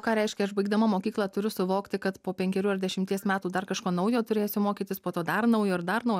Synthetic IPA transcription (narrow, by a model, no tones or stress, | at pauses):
kɑːɾʲɛɪʃʲkʲɛɐʃbɐɪɡd̪ɐmɐmoːkʲiːklˠɑːt̪ʊɾʲʊsʊʋoːkt̪ʲɪkɐt̪poːpʲɛŋʲkʲɛɾʲuːɐɾd̪ʲɛʃʲɪmʲt̪ʲiɛsmʲæːt̪uːd̪ɐrkɐʃkoːnɐʊjoːt̪ʊɾʲeːsʲʊmoːkʲiːt̪ʲɪspoːt̪oːd̪ɐrnɐʊjoːɪɾd̪ɐrnɐʊj